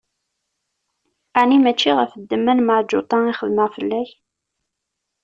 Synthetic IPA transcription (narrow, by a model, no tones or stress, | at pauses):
æʕnimæt͡ʃːiʁəfəd̪ːəmːænməʕd͡ʒʊt̪ˤɑiχəðməʁfəlːæç